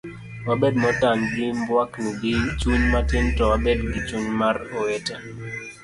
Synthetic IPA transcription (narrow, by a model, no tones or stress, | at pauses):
wabed̚mɔtanɡɪmbwaknuɡɪt͡ʃuɲmatɪntɔwabedɡɪt͡ʃuɲmaroeta